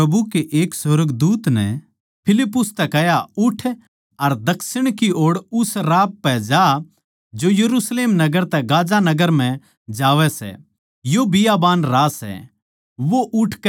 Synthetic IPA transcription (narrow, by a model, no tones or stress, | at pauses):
ɐbukeʔeːksɾəɡd̪uːt̪nɛ̰ | pʰɪlɪpːʊst̪ɛkɛjaʊʈʰ | ɐɾd̪ɐksɪɽ̃kioːɽʊsɾaːp̚pɛd͡ʒa | d͡ʒojɐɾusleːmnɐɡəɾt̪ɛɡaːd͡ʒanɐɡəɾm̤ɛ̃ | d͡ʒaːʋɛsɛ̰ | jobɪjabaːnɾaːsɛ̰ | ʋoʔʊʈʰk